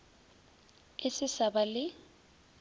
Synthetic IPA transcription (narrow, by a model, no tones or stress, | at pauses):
ɪsɪsabalɪ